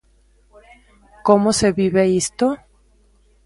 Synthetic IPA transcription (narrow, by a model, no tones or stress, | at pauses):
komose̞βiβeist̪o